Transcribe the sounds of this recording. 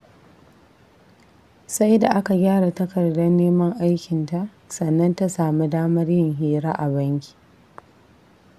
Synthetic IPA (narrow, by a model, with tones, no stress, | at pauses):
sa˦jda˨ʔa˦ka˨ɡʲaː˦ɽa˨tɐ˦kɐ˨rdɐ˦neː˦mɐ˦ŋʔa˦jkʲɪ˨nta˨ʔ | sɐ˨nːɐ˦nta˦saː˨mu˦daː˦mɐ˦rjɪ˦ŋɦiː˦ɾa˦ʔa˨bɐ˦ŋkʲi̥ː˨